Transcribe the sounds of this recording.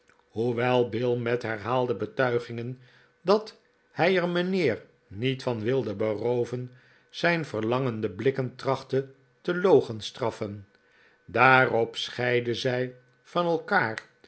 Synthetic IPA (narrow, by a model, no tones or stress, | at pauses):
ɦuʋɛlˠbɪlˠmɛtɦɛɹɦaːlˠdəbətœɥχɪŋən | dɑt | hɛjərmənɪːr | nitfɑnʋɪlˠdəbərowvən | z̥ɛjnvəɹlɑŋəndəblɪkəntrɑχtə | təlowχənstrɑfən | daːrɔpsχɛjdəzɛj | fɑnɛlˠkaːr